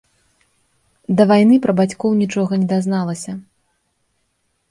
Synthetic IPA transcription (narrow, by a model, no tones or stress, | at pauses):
d̪ɐvajnɨpɾɐbat͡sʲkɔwnʲit͡ʂɔɣɐnʲɛd̪aznalˠɐsʲɐ